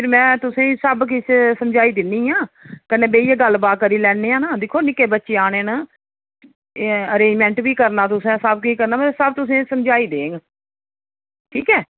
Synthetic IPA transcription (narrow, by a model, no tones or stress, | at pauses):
pʰɪɾmɛ̃ːt̪ʊsẽːsəbk̬issəmd͡ʒaːiːd̪ɪnːiːãːkənẽːbeːiːaːɡəlːbaːkəɾiːlɛːeːãːnaːd̪ɪkʰːoːnɪkːeːbətːʃeːaːɽ̃eːnaː | əɾeːd͡ʒmɛ̃ːɳʈbiːkəɾnaːt̪ʊsẽsəb̚kiːkəɾnaːmɛsəb̚t̪ʊs̬ẽːsəmd͡ʒaːiːd̪eːŋɡ | ʈʰiːkɛː